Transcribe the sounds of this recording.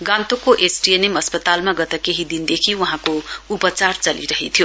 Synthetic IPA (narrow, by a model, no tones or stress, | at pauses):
ɡãnt̪okoʔesʈienemʌspʌt̪almaɡʌt̪akeɦid̪ind̪ekʰiwuɦãkoupʌt͡sart͡sʌlḭɾʌɦit̪ʰjo